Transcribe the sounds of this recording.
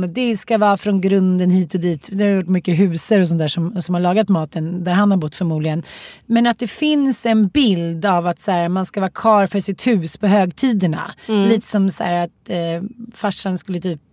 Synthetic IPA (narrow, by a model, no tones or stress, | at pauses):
d̪ɛskavɑːfɾɔnɡɾɵnd̪ənhiːt̪ɔd̪iːt̪d̪ɛhaɾjʊʈːmʏkːəɦʉ̟ːsəɾɔs̬ɔnt̪æːʂɔmsɔmhaɾɭɑːɡat̪mɑːt̪ənd̪æɾhanhaɾbʊt̪ːfœɾmuːd̪lɪɡənmɛnat̪̚d̪ɛfɪnsɛnbɪld̪avat̪sæːɾmanskavɑːkʰɑːɾfœʂɪt̪hʉ̟ːspʰɔɦøːɡt̪ʰiːd̪əɳa̰liːt̪ə̥sɔmsæ̰ːɾat̪ | faʂanskɵlːət̪ʰyːp̚